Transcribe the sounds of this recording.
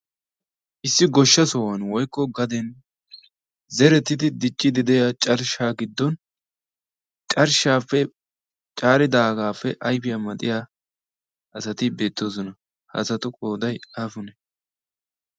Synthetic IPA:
ʔɪsːɪɡɔʃːɐsɔwɐnwɔjkːɔɡɐd̪ɛn | zɛɾɛt̪ːɪd̪ɪd̪ɪt͡ʃʼːɪd̪ɪd̪ɛjat͡ʃʼɐɾʃaːɡɪd̪ːɔn | t͡ʃʼɐɾʃaːfːɛ | t͡ʃʼaːɾɪd̪aːɡaːfːɛʔɐjfɪjamɐt̪ʼɪjaː | ʔɐsɐt̪ɪbe̞ːt̪ːo̞ːs̬ɔnɐ | hɐ̰sɐt̪ʊkʼo̞ːd̪ɐjaːfʊnɛ

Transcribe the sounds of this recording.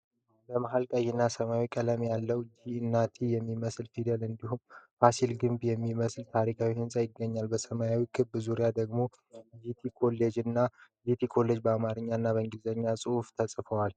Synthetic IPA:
bəmaɦalkʼəjːɛnːasəmajawikʼələmjalːəwd͡ʒiɨnːat̪ʰijɛmːiməslfid̪əlɨnd̪ihumfasilɡɨmbjɛmːiməslt̪ʰaɾikʰawihɨnsʼajɪɡːəɲːalbəsəmajawikʰɨbːɨzuɾijad̪əɡmo̞ | jit̪ʰikʰo̞lːed͡ʒɨnːa | jit̪ʰikʰo̞le̞d͡ʒbəamaɾɨɲːaɨnːaβəŋɡizəɲːasʼɨhuft̪ʰəsʼfəwal

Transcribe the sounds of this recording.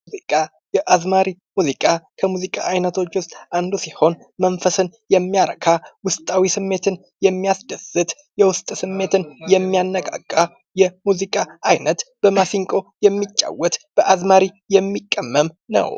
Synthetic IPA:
uzikʼa | jɛʔazmaɾimuzikʼakʰəmuzikʼa̰ʔajnət̪ʰo̞t͡ʃːwʊst̪ʼʔand̪usiho̞n | mənfəsɨnjɛmːijaɾəkʰawʊst̪ʼawisɨmːe̞t̪ʰɨn | jɛmːijasd̪əzɨt̪ʼ | jɛwʊst̪ʼsɨmːe̞t̪ʰɨnjɛmːijanːəɡʼa̰kʼːa | jɛmuzikʼaʔajnət̪b̥əmasiŋkʼo̞jɛmːit͡ʃʼːa̰wɔt̪b̥əʔazmaɾi | jɛmːikʼːəmːəmnə̰w

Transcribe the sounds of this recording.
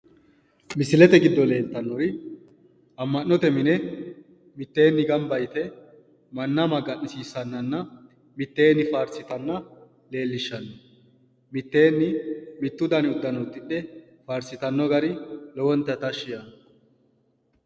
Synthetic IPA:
mɪsɪlɛt̪ɛɡɪd̪ːɔle̞ːlt̪ːɐnːɔɾɪ | ɐmːɐnːɔt̪ɛmɪnɛ | mɪt̪ːe̞ːnːɪɡɐmbɐjt̪ɛ | mɐnːɐmɐɡɐʔɪsiːsːɐnːɐnːɐ | mɪt̪ːe̞ːnːɪfaːɾsɪt̪ɐnːɐ | le̞ːlːɪʃːɐnːɔ | mɪt̪ːe̞ːnːɪmɪt̪ːʊd̪ɐnɪʊd̪ːɐnɔt̪ʼːɪᶑɛ | faːɾsɪt̪ɐnːɔɡɐɾɪlɔwɔnt̪ːɐt̪ɐʃːɪjɐn

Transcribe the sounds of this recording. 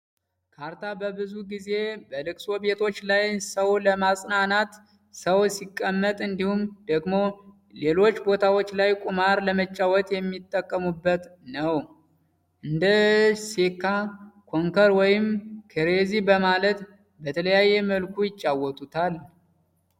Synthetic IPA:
kʰaɾt̪ʰabəbɨzuɡize̞bəlɨkʼso̞be̞t̪ʰo̞t͡ʃːlajsəwləmasʼnanat̪ | səwsikʼːəmːət̪ʼɨnd̪ihumd̪əɡmo̞ | le̞lo̞t͡ʃːbo̞t̪ʰawot͡ʃːlajkʼumaɾləmət͡ʃʼːawɔt̪jɛmːit̪ʼːəkʼːəmubːət̪nəw | ʔɨnd̪əsekʰːakʰoŋkəɾwɔjɪmkʰəɾezibəmalət̪ | bət̪ʰələjajːɛməlkʰujɪt͡ʃʼːawɔt̪ʰʼut̪ʰal

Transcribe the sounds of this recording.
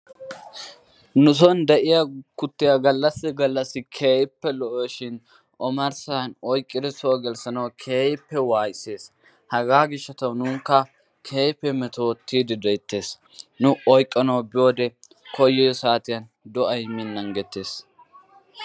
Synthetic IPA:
nʊs̬ɔnd̪ɛʔɪjakʊt̪ːɪjaɡɐlːɐsːɪɡɐlːɐsːɪkʰeːjɪpːɛlɔʔɔjʃɪn | ʔɔmɐɾsanɔjkʼːɪd̪ɛsɔɡɛlsɐnɐwkʰeːjpːɛwaːjse̞ːs | hɐɡaːɡɪʃːɐt̪ɐwnʊːŋkːɐ | kʰeːjpːɛmɛt̪oːt̪ːiːd̪ɪd̪ɛjt̪ːe̞ːs | nʊɔjkʼːɐnɐwbɪjo̞ːd̪ɛ | kɔjːɛjɔsaːt̪ɪjɐn | d̪ɔʔɐjmɪnːɐŋɡɛt̪ːe̞ːs

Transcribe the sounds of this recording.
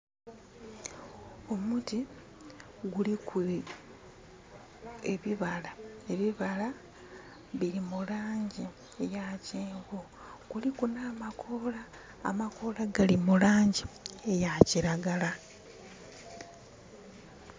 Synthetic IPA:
o̞muti | ɡuliku | eβiβalae̞βiβala | βiɾimulaːɲɟi | ejaceːŋɡo | ɡ̥ulikunaːmakʰo̞ːla̰ː | mako̞laɡalimulaːɲɟiejaciɾaɡala

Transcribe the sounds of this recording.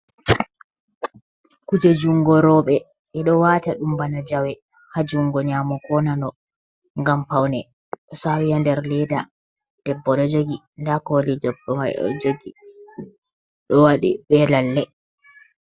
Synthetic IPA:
kud͡ʒed͡ʒuŋɡɔɾɔːɓɛ | ɛɗɔwaːtaɗumbanad͡ʒawɛ | had͡ʒuŋɡɔɲaːmɔkɔnanɔ | ŋɡampawnɛ | ɔsawijandɛɾlɛda | d̥ɛbːɔɗɔd͡ʒoɡi | ndakɔlid͡ʒɔbːɔmajɔ̰d͡ʒoɡi | ɗɔwaɗḭɓɛlalːɛ

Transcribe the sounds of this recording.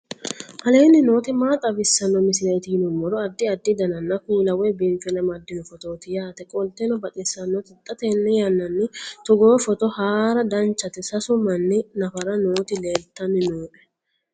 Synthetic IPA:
ʔɐle̞ːnːɪno̞ːt̪ɪmaːt̪ʼɐbɪsːɐnːɔmɪsɪɾɐjt̪ɪnʊmːɔɾɔɐd̪ːɪɐd̪ːɪd̪ɐnɐnːɐkuːlɐwɛbeːnfɛnɐmɐd̪ːɪmɔfɔt̪o̞ːt̪ɪjaːt̪ɛkʼɔlt̪ːɛnɔbɐt̪ʼɪsːɐnːɔt̪ɪt̪ʼːɐt̪eːnːɛjɐnːɐnːɪt̪ʊɡoːfɔt̪ɔhaːɾɐd̪ɐnt͡ʃːɐt̪ɪsɐsʊmɐnːɪnɐfɐɾɐno̞ːt̪ɪleːlt̪ːɐnɪnoːʔɛ̥

